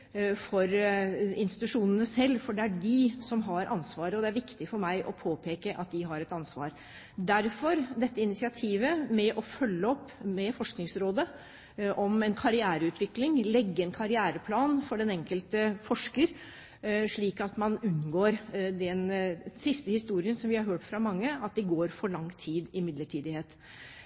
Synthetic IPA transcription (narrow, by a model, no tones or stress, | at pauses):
fɔɾɪnst̪ɪ̥t̪ʉʂuːnənəsɛlːfɔɖɛæɖɪsɔmɦɑɾʔɑ̰nsʋɑːɾəɔd̪ɛæɾʋɪkt̪ɪfɔɾmæɪʔɔpʰoːpʰeːkəʔɑ̰t̪̚d̪ɪɦɑɾɛt̪ɑnsʋɑ̰ːɾ | d̪æɾfɔɾd̪ɛt̪ːəɪnɪsɪɑt̪ʰiːʋəmɛʔɔfœlːəɔpːmɛfɔʂknɪŋsɾoːd̪ə | ʔɔmɛnkʰɑɾɪæːɾəʉːt̪ʰʋɪklɪŋlɛɡːəɛnkʰɑɾɪæːɾəpʰlɑːnfɔɖɛnɛŋkəlt̪əfɔʂkəɾ | ʂɭiːkɑt̪mɑnʉnːɡoːɾd̪ɛnsɪst̪əhɪst̪uːɾɪənsɔmʋɪhɑɾɦøːʈfɾɑmɑŋːəɑt̪̚d̪ɛɡoːɾfɔɭɑŋːt̪ʰiːd̪ɪmɪd̪ləʈʰiːd̪ɪheːt̪